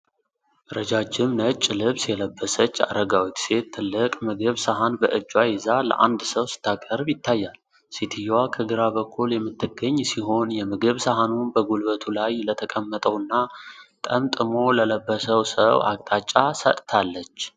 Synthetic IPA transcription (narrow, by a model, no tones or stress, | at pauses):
ɾəd͡ʒad͡ʒːɪmnət͡ʃʼːɪlɨβsjɛləbːəsət͡ʃːa̰ɾəɡawit̪se̞t̪t̪ʰːɨlːɨkʼmɨɡɨβsaɦanbəʔɨd͡ʒːwajɪzalə̰ʔa̰nd̪səwsɨ̥t̪ʰːakʼəɾbjɪt̪ʰːajːal | sit̪ʰijwakʰəɡɨɾaβəkʰːuljɛmːɨt̪ʰːɨɡːəɲːsiɦo̞njɛmɨɡɨβsaɦanunbəɡulbət̪ʰulajlət̪ʰəkʼəmːət̪ʼəwɨnːat̪ʼəmt̪ʼɨmo̞lələbːəsəwsə̰wa̰kʼt̪ʼat͡ʃʼːasə̰t̪ʼt̪ʰalːət͡ʃː